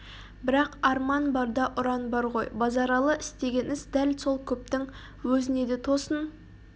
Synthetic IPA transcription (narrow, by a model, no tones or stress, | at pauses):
bɪɾɑqɑɾmɑnbɑɾd̪ɑʔʊɾɑnbɑɾʁo̞̰jbɑzɑɾɑlˠəʔɪst̪e̞ɡʲe̞nɪzd̪ælso̞lˠkʲʰɵp̚t̪ɪŋ | wɵzɪne̞d̪e̞t̪ʰo̞sən